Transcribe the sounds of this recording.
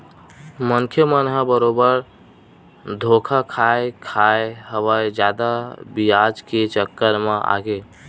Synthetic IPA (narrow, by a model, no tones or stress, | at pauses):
məŋkʰjəmənɦəbəɾobəɾ | d̪ʱokʰakʰaekʰajeɦəβəjd͡ʒad̪abiad͡ʒket͡ʃəkːəɾmea̰ɡe